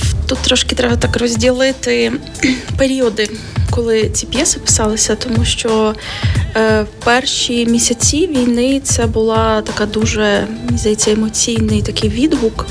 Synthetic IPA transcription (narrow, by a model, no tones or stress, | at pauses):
t̪ut̪ːɾɔʃkɪt̪ɾɛbɐt̪ɑkrɔzʲdʲilˠɪt̪ɪ | peɾʲiɔd̪ɪ | kɔlˠɪt͡sʲipʲjɛsɪpɪ̥sɑlˠɪsʲɐt̪ɔmuʃt͡ʃɔ | wpɛrʃimʲisʲɐt͡sʲiʋʲijnɪt̪sɛbʊlˠɑt̪ɐkɑd̪uʒɛnʲizɐjet͡sʲːɐɛmɔt͡sʲijnɪjt̪ɐkɪjʋʲid̪buk